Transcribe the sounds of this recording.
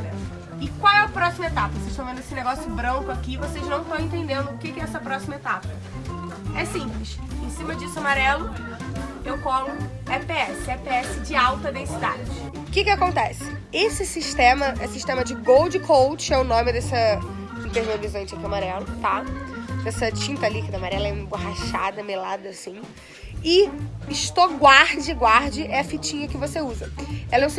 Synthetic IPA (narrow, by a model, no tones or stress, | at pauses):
ɛ | ɪkwawɛɐpɾɔsimɐet̪apɐvoseʃt̪õmẽnd̪esɪneɡɔsjʊbɾɐ̃ŋkʊakivoseʒnɐ̃w̃t̪ɐ̃w̃ẽnt̪ẽnd̪ẽnd̪ʊʊkɪkɪɛɛsɐpɾɔsimɐet̪apɐ | ɛsĩplɪʃẽsĩmɐd͡ʒisʊamaɾɛlʊ | ewkõmʊ | ɛpeɛsɪɛpeɛsɪd͡ʒɪawt̪ɐd̪ẽsid̪a̰d͡ʒɪ | ʊkɪkɪakõnt̪ɛsɪ̥esɪsiʃt̪ẽmɐesɪsiʃt̪ẽmɐd͡ʒɪɡowd͡ʒɪkʰowt͡ʃɪɛʊnõmɪd̪ɛsɐ | ĩnt̪eɾviovizɐ̃t͡ʃikamaɾɛlʊt̪ad̪ɛsɐt͡ʃĩnt̪ɐlikid̪ɐamaɾɛlɐɛũmboɦaʃad̪ɐmelad̪ɐːsĩ | ɪɪʃt̪oɡwaɾd͡ʒɪɡwaɾd͡ʒɪʔɛɐfit͡ʃĩɲɐkɪvoseuzɐɛlɐ̃s